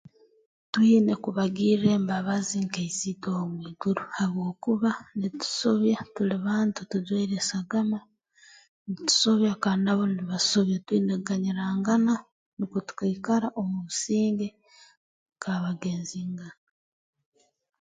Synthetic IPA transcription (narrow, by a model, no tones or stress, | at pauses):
twiːne̞kuβaɡiːɾɾe̞ːmbaβaziŋkeizitomwiːɡ̥uɾuhaβwo̞ːkuβanitu̥soβjatuliβaːntutuzweɾesaɡama | nitu̥so̞βjakanaβo̞niβasoβjatwiːneɡaɲiɾaːŋɡana | nikutu̥kakaɾaʔomuusiːŋɡe̞ | kaβaɡe̞ːnziːŋɡana